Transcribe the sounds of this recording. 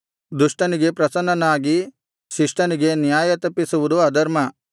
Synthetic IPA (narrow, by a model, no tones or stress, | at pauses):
d̪uʂʈɐniɡe̞pɾɐsɐnɐnaːɡi | ʃiʂʈɐniɡe̞njaːjɐt̪ɐpːisuʋud̪uɐd̪ɐɾmɐ